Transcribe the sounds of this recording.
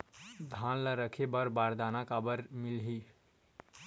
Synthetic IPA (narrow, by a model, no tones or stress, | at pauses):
d̪ʱanləɾəkʰebəɾbaɾd̪anakabəɾmilɦi